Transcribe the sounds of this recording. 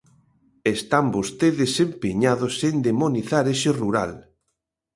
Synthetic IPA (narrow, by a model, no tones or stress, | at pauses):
est̪ambost̪eðɪsempeɲaðosend̪emoniθaɾeʃeruɾa̰l